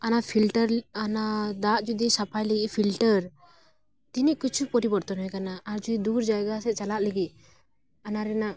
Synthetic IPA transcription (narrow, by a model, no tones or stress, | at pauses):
anapʰilʈəɾanad̪at̪̚d͡ʒud̪isapʰajlɛɡipʰilʈəɾ | t̪iniʔkut͡ʃʰupɔɾibɔɾt̪ɔnɔwɛkanaʔːɾd͡ʒud̪id̪uɾd͡ʒajɡasɛt͡ʃalaʔ̪̚ləɡiʔ | anaɾɛnaʔ